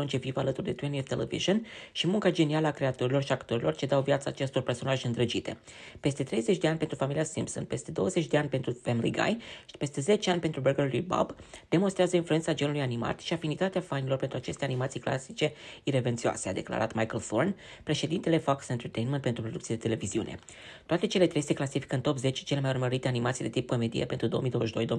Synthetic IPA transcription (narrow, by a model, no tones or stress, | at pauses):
unt͡ʃevivalət̪urd̪et̪wenioft̪elḛvḭʒonʃimuŋkad͡ʒe̞nialəakɾe̞at̪o̞ɾilo̞rʃiakt̪o̞ɾilo̞rt͡ʃe̞d̪awvjat̪saːt͡ʃe̞st̪o̞rperso̞naʒɨnd̪ɾəd͡ʒit̪e̞̰ | pe̞st̪e̞t̪ɾe̞jze̞t͡ʃʲd̪e̞anʲpet̪ɾufamiliasḭmpso̰npe̞st̪e̞d̪o̞wəzet͡ʃʲd̪e̞anʲpe̞nt̪ɾufemilḭɡa̰jpe̞st̪e̞ze̞t͡ʃeanʲpe̞nt̪ɾubəɡəlujba̰bd̪̥e̞monst̪ɾeazəinfluentsad͡ʒe̞nulujanima̰t̪ʃiafinit̪at̪eafanilo̞rpe̞nt̪ɾuat͡ʃe̞st̪e̞animat̪sijkla̰sit͡ʃe̞iɾe̞vent̪sioa̰sea̰d̪e̞kla̰ɾa̰t̪majkəlθorn | pɾe̞ʃe̞d̪int̪ele̞faksent̪ert̪ejnment̪pent̪ɾupɾod̪ukt̪sied̪et̪ele̞viziṵnḛ | t̪oat̪e̞t͡ʃe̞le̞t̪ɾe̞jseklasifi̥kəɨnt̪o̞pze̞t͡ʃt͡ʃe̞le̞majurməɾit̪e̞animat̪sid̪e̞t̪ip̚ko̞me̞d̪ijḛpent̪ɾud̪oomid̪owəʃid̪o̞jd̪oi